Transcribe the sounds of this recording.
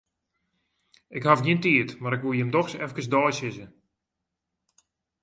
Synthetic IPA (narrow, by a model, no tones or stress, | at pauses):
ɪkhafniəntiətmaɾɪkʋujəmdɔxsɛfkəs̬dɔːjsɪsə